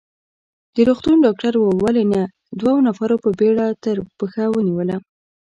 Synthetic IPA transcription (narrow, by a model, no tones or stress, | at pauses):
d̪̥əɾoxt̪unɖɑk̚ʈaɾwwalena | d̪wawonafaɾopəbeɽat̪əɾpəxawəniwəla